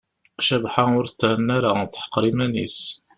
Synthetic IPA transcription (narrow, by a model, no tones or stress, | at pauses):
kʃæbħaʊɾət͡sːʕnːaɾaθħə̥qːɾimænḭs